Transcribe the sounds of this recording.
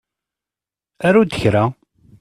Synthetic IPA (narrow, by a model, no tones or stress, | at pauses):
æɾud̪əçɾa